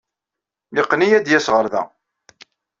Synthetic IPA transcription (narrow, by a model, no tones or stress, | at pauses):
niqːnijæd̪jæsʁəɾðæ̰